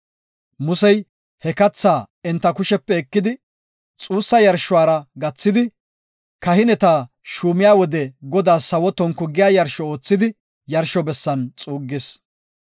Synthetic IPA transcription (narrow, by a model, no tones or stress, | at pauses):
mʊsɛj | hɛkɐt͡sːaː | ɛnt̪ːɐkʊʃɛpːɛːkːɪd̪ɪ | t͡sʼuːsːɐjɐɾʃʊwaːɾɐɡɐt͡sːɪd̪ɪ | kɐhɪnɛt̪aː | ʃuːmɪjaːwɔd̪ɛɡɔd̪aːsːɐwɔt̪ɔŋkʊɡɪjaːjɐɾʃɔoːt͡sːɪd̪ɪ | jɐɾʃɔbɛsːɐnt͡sʼuːɡːes